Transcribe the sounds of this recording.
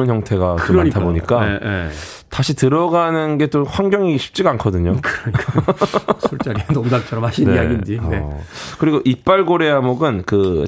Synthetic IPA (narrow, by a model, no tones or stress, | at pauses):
ɯnçjʌŋtʰe̞ɡat͡ɕoɾaaitʰaboɲik͈aee | taɕʰitɯɾʌɡanɯnɡe̞t͈oɸwaŋɡjʌŋiɕʰi̥p̚t͡ɕ͈iɡaːnkʰʌdɯɲokɯɾɲik͈ | sʰoɭt͡ɕ͈aɾinomdapt͡ɕʰʌɾʌmaɕʰiniaɡind͡ʑiekɯɾiɡoʔip͈aɭɡoɾe̞amoɡɯnkɯ